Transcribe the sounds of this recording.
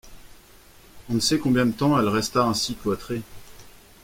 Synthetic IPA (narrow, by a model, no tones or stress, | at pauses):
ɔ̃nəsɛkɔ̃bjɛ̃d̪ət̪ɑ̃ɛlʁɛst̪aɛ̃siklwat̪χe